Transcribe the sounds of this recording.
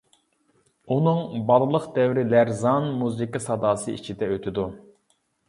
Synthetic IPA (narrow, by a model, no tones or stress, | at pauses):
unɨŋbɑlˠɨlˠəqd̪ɛwɾɪlæɾzɑnmuzikɨsɑd̪ɑːsɨ̰ḭt͡ʃʰid̪ɛøt̪ʰɪd̪u